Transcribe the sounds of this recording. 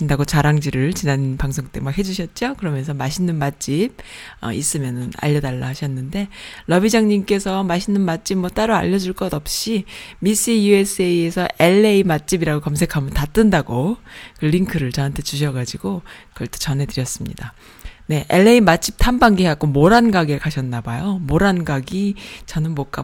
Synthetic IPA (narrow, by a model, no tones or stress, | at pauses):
indaɡot͡ɕaɾaŋd͡ʑiɾɯɭt͡ɕinanpaŋsʰoŋt͈emak̚he̞d͡ʑuɕʰʌt̚t͡ɕ͈okɯɾʌmjʌnsʰʌmaɕʰinːɯnmat̚t͡ɕ͈ib̚ʌ̰is͈ɯmjʌnɯna̰ʎːʌdaɭːaɦaɕʰʌnːɯnde̞lʌbid͡ʑaŋɲimk͈e̞sʰʌmaɕʰinːɯnmat̚t͡ɕ͈ib̚mʌt͈aɾoa̰ʎːʌd͡ʑuɭk͈ʌdʌp̚ɕ͈imis͈ijue̞s͈ʰɯeiesʰʌʔe̞ɭːeimat̚t͡ɕ͈ibiɾaɡokamsʰe̞kʰamjʌntat͈ɯndaɡokɯʎːiŋkʰɯɾɯɭt͡ɕʌɦantʰe̞t͡ɕuɕ̬ʰʌɡad͡ʑiɡokʌɭt͈et͡ɕʌnɦe̞dɯɾjʌs͈ɯmɲḭda | ne̞ʔeɭːe̞imat̚t͡ɕ͈ip̚tʰambaŋɡiɦeak͈omoɾanɡaɡeɭkaɕʰʌnːabajomoɾanɡaɡit͡ɕʌnɯnmok͈a